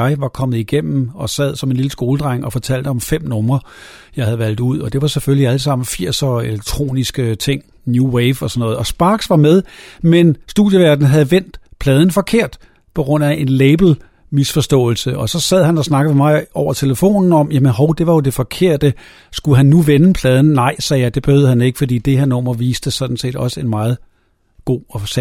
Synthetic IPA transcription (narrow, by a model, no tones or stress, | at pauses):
ɑ̈ɪʋɑ̈kʰɒ̽mð̞̩ˠiɡ̥em̰m̩ɒ̽sæð̞̰ˠsɒ̽me̝nliləsɡ̥o̝ːləd̥ʁɑ̈ŋ̰ɒ̽fɒ̽t͡sʰæl̰d̥əɒ̽mfem̰nɔ̽mʁɐ | jɑ̈ɪhæð̩ˠʋæl̰d̥uð̞̰ˠɒ̽d̥e̝ʋɑ̈sefølliæləsɑ̈m̰n̩fiɐ̰sɒeleɡ̥̚t͡sʰʁo̝̰ːnisɡ̥ət͡sʰe̝ŋ̰ | njuweɪfɒ̽sɒ̽nɔ̽ːð̩ˠɒ̽sb̥ɑ̈ːɡ̥sʋɑ̈með̞ˠmensd̥uðˠjəʋæɐd̥n̩ɦæð̞̩ˠʋen̰d̥pʰlɛːð̞ˠn̩fɒ̽kʰe̝ɐ̰d̥ | pʰɒ̽ɡ̥ʁɔ̽n̰æʔe̝nleɪb̥l̩ | misfɒ̽sd̥ɔ̰̽ːl̩səʔɒ̽sɒ̽sæð̰ˠɦænɒ̽snɑ̈ɡ̥ð̩ˠmemɑ̈ɪʔɒʊ̰ɐt͡sʰe̝ləfo̝̰ːnn̩ɒ̽mjæmənɦɒʊd̥e̝ʋɑ̈jo̝d̥e̝fɒ̽kʰe̝ɐ̰d̥ə | sɡ̥uɦænːuʋenəpʰlɛːð̞ˠn̩nɑ̈ɪ̰sɛːjɑ̈ɪd̥e̝b̥e̝høðˠhæne̝ɡ̥ə̥fɒ̽d̥ḭːd̥e̝hæɐ̰nɒːmɒʋiːsd̥əsɒ̽d̥n̩se̝̰ːd̥ɒ̽səe̝nmɑ̈ːð̞̩ˠ | ɡ̥o̝̰ːɒsæ